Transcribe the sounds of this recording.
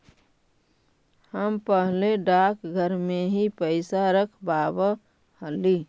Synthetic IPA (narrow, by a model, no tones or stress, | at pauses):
həmpəɦleɖakɡʱəɾmeɦipəɪsaɾəkʰbabə | həli